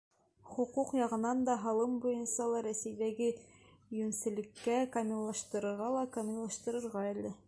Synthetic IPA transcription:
χŭquqjɑʁɤ̆nɑnd̪ɑɦɑlˠɤmbujɤnsɑlˠɑɾæsɘ̆jd̪æɡɘ | jɵnsɘ̆lɘ̆kːækamʲɪllːˠɑʃt̪ɤ̆ɾɤ̆ɾʁɑlˠɑkamʲɪllˠɑʃt̪ɤ̆ɾɤ̆ɾʁɑælɘ

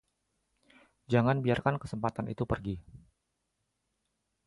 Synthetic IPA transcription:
d͡ʒaŋanbiarkankəsəmpat̪anḭt̪upərɡi

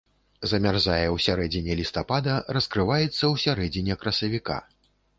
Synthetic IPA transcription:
zɐmʲarzajɛwsʲaɾɛd͡zʲinʲɛlʲist̪apad̪ɐrɐskɾɨvajɛt̪sːɐwsʲaɾɛd͡zʲinʲɛkɾɐsɐvʲika̰

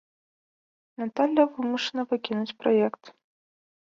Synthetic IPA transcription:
nat̪alʲːɐvɨmuʂɐnɐvɨkʲinut͡sʲpɾɔjɛkt̪

